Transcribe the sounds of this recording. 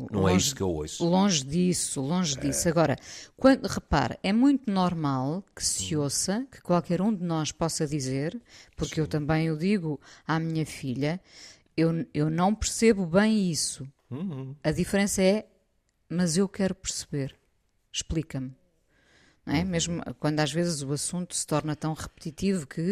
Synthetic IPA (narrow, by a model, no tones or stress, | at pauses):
nɐ̰̃ɛ̃iskḛwo̰ʃlˠõʒðisulˠõʒðisɐɣɔɾɐ̰kwɐ̃nd̪uʁɨpa̰ɾɛmũj̃t̪unɔɾmalˠkɨ̥siosɐkɨ̥kwalˠkɛɾũd̪ɨnɔʃpɔsɐðizeɾpuɾkewt̪ɐ̃mbɐ̃j̃uðiɣuamiɲɐfiʎɐ | ewewnɐ̃w̃pɨɾseβuβɐ̃j̃isũ̥ | ɐðifɾẽsɐɛ | mɐzewkɛɾupɨɾsɨβeɾ | ʃplˠikɐm | ñɛmeʒmṵkwɐ̃nd̪uaʒvezzuɐsũnt̪u̥sɨ̥t̪ɔɾnɐt̪ɐ̃w̃ʁɨpt̪it̪ivukʰɨ